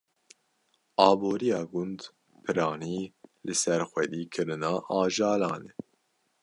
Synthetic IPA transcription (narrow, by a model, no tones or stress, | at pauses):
ɑːboːɾijɑːɡʊnd̪ | pʰɨɾɑːniːlɨsɛɾxʷɛd̪iːkʰɨɾɨnɑːʔɑːʒɑːlɑːnɛ